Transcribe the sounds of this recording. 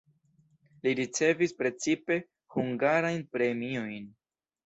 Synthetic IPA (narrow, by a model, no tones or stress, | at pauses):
liɾit͡se̞vispɾe̞t͡sipe̞ | huŋɡaɾajnpɾe̞mio̞jn